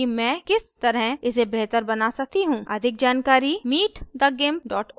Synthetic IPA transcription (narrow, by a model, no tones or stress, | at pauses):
imɛ̃ːkɪst̪ɐɾɦəɪs̬ebɛɦt̪əɾbɐnasɐk̚t̪iɦũːɐd̪ʱɪk̚d͡ʒaːnkaːɾimiːʈd̪ɐɡempɖɔːʈ